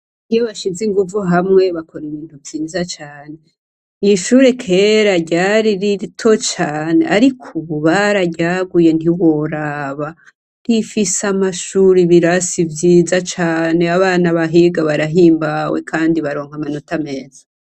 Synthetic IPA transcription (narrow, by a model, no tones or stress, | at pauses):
nijoβaʃiziŋɡuvuɦamŋe̞βakʰo̞ɾumiːntuvjiːzat͡ʃaːne̞ | iiʃuːɾe̞kʰe̞ɾaɟaːɾiɾitʰo̞t͡ʃaːne̞̰ʔaɾikʰuβuβaɾaɟaɡuje̞niwo̞ɾaβa | ɾifisamaʃuɾiβiɾasivjiːzat͡ʃaːne̞aβaːnaβaɦiɡaβaɾaɦiːmbawḛkʰaːndiβaɾo̞ːŋhamano̞tame̞ːz̥ḁ